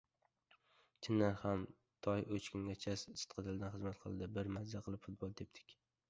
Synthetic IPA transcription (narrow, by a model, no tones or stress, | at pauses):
t͡ʃʰɪnːaɾham | t̪ʰɒjʔɵt͡ʃkʰʊŋɡʲat͡ʃʰassɨ̥t̪qʰɨt̪ʰɪld̪anχɨzmat̪qʰɨ̰lˠd̪ɪbɪɾmazaqʰɨlˠɪpfʊt̪̚bolˠd̪ep̚t̪ʰɪ̥kʲ